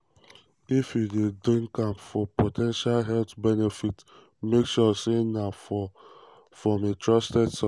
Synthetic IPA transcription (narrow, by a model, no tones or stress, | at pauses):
ifjudedĩnkãmpfɔpotʰɛ̃nʃalɦɛlt̪bɛnɛfit | mekʃɔsenaf | fɹɔ̃metʰɹɔstɛdsɔ